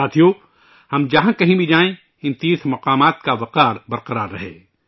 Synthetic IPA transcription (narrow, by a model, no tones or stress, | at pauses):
aːt̪ʰijo | hɐmd͡ʒɐɦãkɐɦĩbʱid͡ʒaːẽ | ɪ̃nt̪iːsmɐqaːmaːt̪kaʋɐqaːɾbɐɾqɐɾaːɾːɐɦḛː